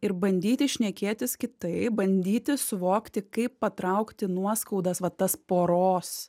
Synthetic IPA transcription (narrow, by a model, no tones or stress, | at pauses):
ɪɾbɐnʲd̪ʲiːt̪ʲɪʃʲnʲɛkʲeːt̪ʲɪskʲɪt̪ɐɪbɐnʲd̪ʲiːt̪ʲɪsʊʋoːkt̪ʲɪkɐɪppːɐt̪ɾɐʊkt̪ʲɪnuɔskɐʊd̪ɐsʋɐt̪ɐspoːɾoːs